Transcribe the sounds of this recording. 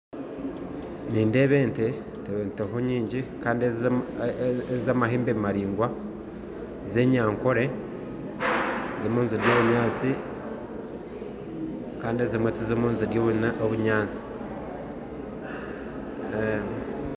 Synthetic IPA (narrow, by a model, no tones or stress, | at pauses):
niːnde̞βe̞ːnte | teβeːnteɦoɲiːɲɟikaːndi | ezamaɦeːmbemaɾiːŋɡwa | ze̞ɲaːŋkoɾe̞ | zimuːnziɾjo̞ːβuɲaːt͡si | kaːndiezimwetizimuːnziɾjoːβunaoβuɲaːt͡si̥